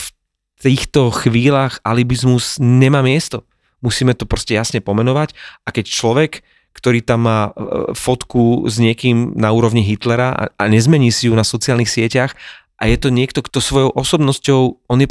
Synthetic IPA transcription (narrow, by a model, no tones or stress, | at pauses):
f | t̪iːxt̪ɔxʋiːlaːxalibizmuzɲɛmaːmɪɛst̪ɔ | musiːmɛt̪ɔpɾɔscɛjasɲɛpɔmɛnɔʋacakɛct͡ʃlɔʋɛk | kt̪ɔɾiːt̪amːaːfɔt̪kuzɲɪɛkiːmnauːɾɔʋɲiɦit̪lɛɾaʔa̰aɲɛzmɛɲiːsijunasɔt͡siaːlnixsɪɛcax | ʔa̰jɛt̪ɔɲɪɛkt̪ɔkt̪ɔsʋɔjɔʊʔɔsɔbnɔscɔʊɔnjɛ